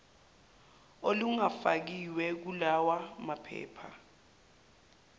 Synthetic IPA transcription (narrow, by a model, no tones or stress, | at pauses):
oluŋafak̬iwɛk̬ulawamapʰɛ̰ːpʰa̰